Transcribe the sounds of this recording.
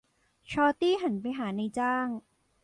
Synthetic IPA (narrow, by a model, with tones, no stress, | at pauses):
t͡ɕʰɔː˧t̪iː˥˩ɦa˩˦npa˧jɦaː˩˦na˧jt͡ɕaː˥˩ŋ